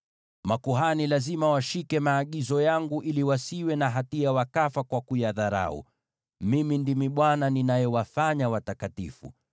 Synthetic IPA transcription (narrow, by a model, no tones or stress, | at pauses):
makuɦanilazimawaʃikɛmaːɠizɔjaŋɡuʔiliwasiwɛnaɦatiawakafakwakujaðaɾa̰ṵ | mimindimiɓwananinajɔwafaɲawatakatḭfṵ